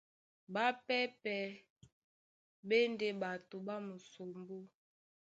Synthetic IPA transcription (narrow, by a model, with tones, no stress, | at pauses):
ba˦pɛ˦pɛ˨ | be˦nde˦ba˨to˨ba˦mu˨so˨mbo˦